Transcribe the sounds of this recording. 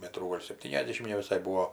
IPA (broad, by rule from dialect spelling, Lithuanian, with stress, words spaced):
ˈmʲæːtruː ˈɡoːlʲ sʲɛpʲˈtʲiːnʲɛzʲˌdʲeːʃʲɪm nʲɛʋʲɪˈsɐɪ ˈbuːoː